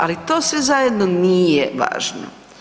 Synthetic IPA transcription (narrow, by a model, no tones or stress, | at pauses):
alit̪o̞ːsʋezajed̪nonijeʋa̰ːʒno̰